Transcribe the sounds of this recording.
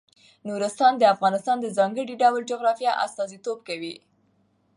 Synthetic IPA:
nuɾɪst̪ɑnd̪əafɣɑnɪst̪ɑnd̪əzɑŋɡəɽiɖawəld͡ʒoɣɾɑfjɑʔa̰st̪ɑzit̪ob̚kawi

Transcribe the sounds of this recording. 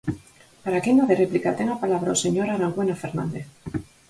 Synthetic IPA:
paɾakenaðereplikat̪eŋɡapalaβɾaose̞ɲo̞ɾaɾaŋɡwe̞nafeɾnãnd̪eθ

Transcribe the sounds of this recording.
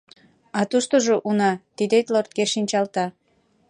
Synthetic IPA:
ɑt̪uʃt̪oʒoʔunɑt̪id̪et̪lort̪̚ɡeʃinʲt͡ɕɑlt̪ɑ

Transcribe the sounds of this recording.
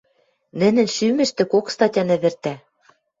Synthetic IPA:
nɘ̆nɘ̆nʃymɘ̆ʃt̪ɘ̆kokst̪ɑtʲɑnɘ̆βɘ̆rt̪æ

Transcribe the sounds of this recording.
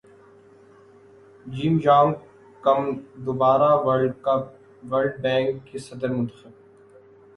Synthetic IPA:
d͡ʒiːmd͡ʒaːŋ | kɐmd̪ʊbaːɾaʋ | ʋɐlɖ̚bɛ̃ːŋkːesɐd̪əɾmʊ̃nt̪ə̥xɪb̚

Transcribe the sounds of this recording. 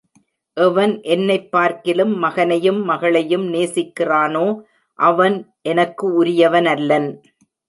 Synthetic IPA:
ʔɛʋɐnʔɛnːɐɪpːaːɾkɪlɯmːɐɣɐnɐjɯmːɐɣɐɭɐjɯmneːsɪkːɪraːnoː | ʔɐʋɐnʔɛnɐkːɯʊɾɪjɐʋɐnɐlːɐn

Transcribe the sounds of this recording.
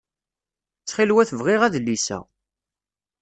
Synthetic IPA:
t͡sːχilwæθəvʁɪʁæðlːisæ̰

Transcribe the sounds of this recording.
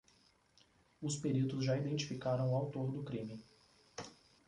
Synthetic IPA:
ʊspeɾit̪ʊzʒaid̪ẽt͡ʃi̥fikaɾɐ̃w̃ʊawt̪oɾd̪ʊkɾĩmɪ

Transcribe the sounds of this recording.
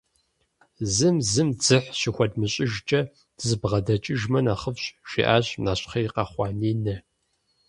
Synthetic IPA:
zɨmzɨmd͡zɨħɕixʷɔdmɨɕʼɪʒt͡ʃʼɐ | d̥ɨzɨbʁɐdɐt͡ʃʼɪʒmɐnaːχəfɕʼʃḭːʔaːɕʼnaːɕʼχɐjqɑχʷɑːniːnɐ

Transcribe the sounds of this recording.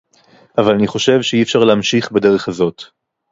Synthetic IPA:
ʔavalaniχo̞ʃe̞vʃeiefʃaʁlehamʃiχbede̞ʁeχhazo̞t

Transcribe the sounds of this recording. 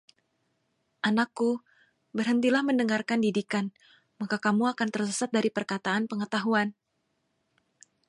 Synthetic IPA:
ʔanakːu | bərɦənt̪ilahməndəŋarkandidikan | makakamuakant̪ərsəsat̪̚daɾipərkat̪aanpəŋət̪aɦuan

